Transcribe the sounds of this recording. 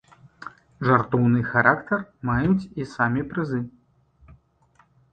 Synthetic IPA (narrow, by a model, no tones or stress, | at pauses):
ʐart̪ɔwnɨxaɾakt̪ɐrmajut͡sʲisamʲipɾɨzɨ